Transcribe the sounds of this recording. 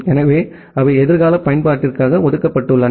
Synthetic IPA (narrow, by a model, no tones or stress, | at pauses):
ɛnɐʋeː | ɐʋɐɪɛðɪɾɣaːlɐpɐjɐnpaːʈːɪrkaːɣɐɔðɯkːɐpːɐʈːɯɭːɐn